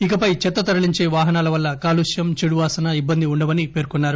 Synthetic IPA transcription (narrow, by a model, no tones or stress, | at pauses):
ikɐpɐjt͡ʃɛt̪ːɐt̪ɐɾɐɭiɲt͡ʃe̞ːʋaːɦɐnaːlɐʋɐlːɐkaːluʂjɐmt͡ʃeɽuʋaːsɐnɐibːɐnd̪iuɳɖɐʋɐnipe̞ːɾkɔnːaːɾu